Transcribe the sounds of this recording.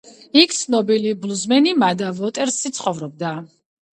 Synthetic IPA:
ik̚ʰt̪sʰnɔbiliblˠuzmɛnimad̪avɔt̪ʼɛɾsːit̪sʰχɔvɾɔb̚d̪a

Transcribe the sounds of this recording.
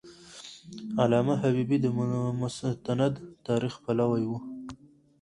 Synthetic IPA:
alɑmaɦabibid̪əmʊt̪anad̪t̪ɑɾixpalawajwu

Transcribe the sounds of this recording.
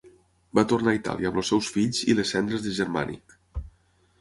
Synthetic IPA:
bat̪urnait̪a̰liəməlˠsɛwsfiʎzḭləsːɛnd̪ɾəzðəʒəɾma̰nʔḭk

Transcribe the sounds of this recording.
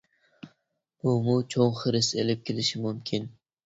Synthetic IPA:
b̥ʊmʊt͡ʃʰoŋχɨɾɪselɪp̚kʲʰɪlɪʃɪmʊmkʲʰɪn

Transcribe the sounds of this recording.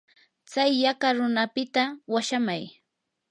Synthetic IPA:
t͡sajːakaɾʊnapɪt̪awaʃamaj

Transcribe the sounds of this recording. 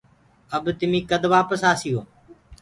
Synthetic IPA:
əbt̪ɪmĩːkəd̪ʋaːpəsaːsɪjoː

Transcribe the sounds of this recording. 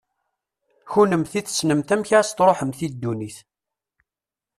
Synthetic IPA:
çunəmθiθsnəmt̪æmçast̪ɾˤoħəmθid̪ːuniθ

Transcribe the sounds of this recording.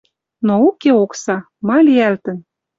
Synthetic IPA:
noukeoksɑ | mɑlʲiælt̪ə̆n

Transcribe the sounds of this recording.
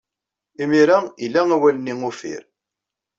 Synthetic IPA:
imiɾæilːæŋæwælənːiŋufḭɾ

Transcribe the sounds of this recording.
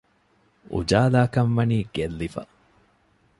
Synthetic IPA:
ṵd͡ʒaːlaːkɐmʋɐniːɡ̥elːifɐ

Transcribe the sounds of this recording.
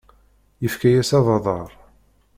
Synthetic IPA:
jəfkæjæsɑðˤɑðˤɑɾˤ

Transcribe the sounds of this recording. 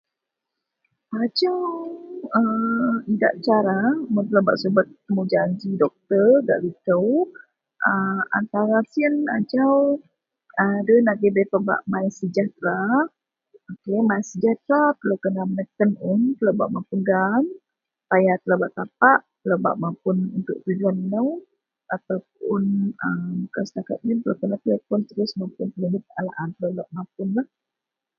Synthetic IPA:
ad͡ʒawəida̰ʔt͡ʃaɾamət̪ələbaʔsubət̪̚əmud͡ʒaɲd͡ʒidɔk̚t̪ərɡa̰ʔɾit̪əw | ʔəa̰nt̪aɾasiəna̰d͡ʒaw | adənaɡəbepəba̰ʔmajəsəd͡ʒaht̪ɾa | okemaisəd͡ʒaht̪ɾat̪əlowkənamənəkənunt̪əlawba̰ʔmampunɡam | pajat̪əlabaʔt̪apaʔt̪əlawba̰ʔmapʊnunt̪ʊʔpilanːəw | at̪awp̚ʊnəmk̪əsə̥t̪akat̪̚ɲənt̪əlawkənap̪əlapʊnt̪əɾʊsmampʊnp̪əluɦɪt̪̚alaʔant̪əlobaʔmap̚ʊnlah

